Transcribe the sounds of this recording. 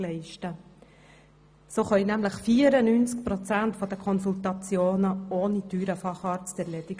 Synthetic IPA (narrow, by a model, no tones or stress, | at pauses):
lɛɪʃtə | soːχœjnæmləχfiːəɾənynt͡sk̚pɾɔt͡sæntfɔd̥̪əkʰɔnsultɑt͡sjoːnəoːnidyːɾəfɑχɑːɾt͡stɛɾlɛd̥̪iɡ